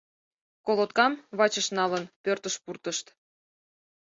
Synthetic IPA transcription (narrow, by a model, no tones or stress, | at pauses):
kolot̪̚kɑmβɑt͡ɕəʃnɑlənpørt̪əʃpurt̪əʃt̪